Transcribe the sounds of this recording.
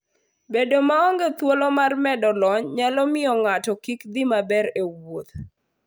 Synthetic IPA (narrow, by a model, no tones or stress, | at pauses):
bedomaɔŋɡet̪wolɔmarmɛdɔlɔɲɲalɔmɪɔŋatɔkikd̪ɪmabɛɾewot̪̚